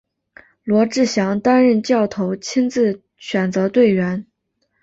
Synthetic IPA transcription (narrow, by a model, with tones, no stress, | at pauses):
lwɔ˧˥ʈ͡ʂɻ̩˥˩ɕjɑ˧˥ŋt̪a˥nɻə˥˧nt͡ɕjɑ˥˩ʊt̪ʰo˧˥ʊt͡ɕʰi˥nt͡sɹ̩˥˩ | ɕʰɥɛ˨˩nt͡sɤ˧˥t̪we˥˩ɪɥɛ˧˥n